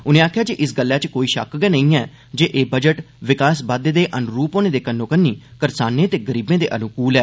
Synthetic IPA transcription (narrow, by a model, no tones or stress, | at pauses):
ʊnẽːaːkʰjaːd͡ʒeːʔɪsɡəlːaːt͡ʃkoːiːʃə̰kɡɛːnəĩːɛː | d͡ʒeːʔeːbəd͡ʒəʈ | ʋɪkaːsbaːd̪ed̪eːʔənɾuːpoːneːd̪eːkənːõːkənːiːkəɾsaːnẽːt̪eːɡəɾiːbẽːd̪ḛːʔənʊkuːlɛː